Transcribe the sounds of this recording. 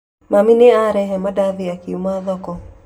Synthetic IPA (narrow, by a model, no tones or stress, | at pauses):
mamineaɾɛhɛmadaðiakiumaðɔkɔ